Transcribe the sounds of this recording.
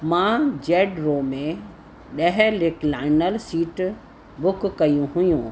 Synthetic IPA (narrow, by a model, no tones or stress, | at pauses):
mãd͡ʑɛːɖɾoːmẽ | ɗɐɦlɪklaːɪnəlsiːʈ | bʊkkːɐjũɦʊjũ